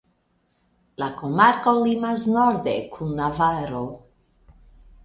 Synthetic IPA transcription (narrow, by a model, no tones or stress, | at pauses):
lakomaɾkolimasnoɾd̪ḛkʰunːavaɾo